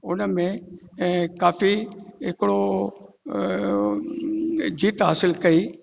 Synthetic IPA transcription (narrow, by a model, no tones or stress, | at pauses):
ʊnəmẽ | kaːfiɦɪkɪɽo | d͡ʑiːt̪ɦa̰ːsɪlkɐiː